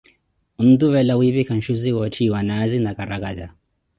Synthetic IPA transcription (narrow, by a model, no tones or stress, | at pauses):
n̩d̪uβɛlawiβikan̩ʃuziwɔt͡ʃʰiwanazinakaɾakaza